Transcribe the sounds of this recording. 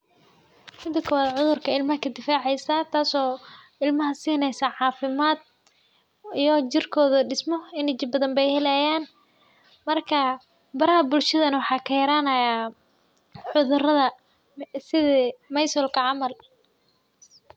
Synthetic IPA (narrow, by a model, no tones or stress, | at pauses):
mɪd̪ɐkʰɔwaːd̪ʕʊðʊrkʰɐɪlmɐɦɐkʰɐd̪ɪfaːʕɛjsɐt̪ʰaːsɔː | ɪlmɐɦɐsiːnɛjsaʕɑːfɪmaːd̪̚ | ijɞt͡ʃɪrkʰɔːðɐɖɪsmɔɪnɪt͡ʃɪbɐðɐmbɛjhɛlɛjaːn | mɐrkʰɐ | bɐɾɐhɐbʊlʃɐðɐnɐwɑħɑːkʰɐjɐɾaːnɐja | ħʊðʊrɐðɐ | sɪðmɐjsɔlkʰɐʕɑmɐl